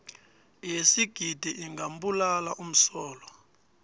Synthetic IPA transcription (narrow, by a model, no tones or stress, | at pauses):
jesiɡ̥ʱid̥ʱiʔiŋɡam̩bulalaʔum̩sɔːlɔ